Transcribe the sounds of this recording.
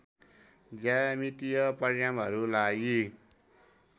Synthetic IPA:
d͡zamit̪ijʌpʌɾjamɦʌɾulaɡi

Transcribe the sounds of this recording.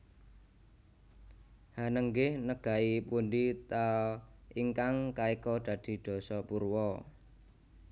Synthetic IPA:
hanəŋɡɪhnəɡ̥a̤ipundit̪a | iŋkaŋkaikɔd̪̥ä̤d̪̥i̤d̪̥ɔ̤sɔpurwɔ

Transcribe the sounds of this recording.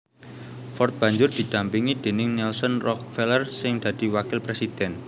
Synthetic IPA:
fɔrt̪̚b̥ä̤ɲd͡ʒʊrd̪̥i̤d̪̥ä̤mpiŋid̪̥e̤nɪŋnɛlsənrɔk̚fɛlərsɪŋd̪̥ä̤d̪̥i̤wakɪlpɾesid̪̥ɛn

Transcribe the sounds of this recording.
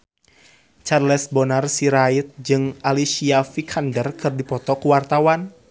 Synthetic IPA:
t͡ʃarlɛsbɔnarsiɾait̪̚d͡ʒɨŋalisiafikʰandərkɨrdipɔt̪ɔkuwart̪awan

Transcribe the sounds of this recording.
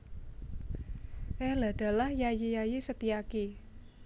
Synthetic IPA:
ʔɛla̤d̪̥a̤lahjajejajesət̪iaki

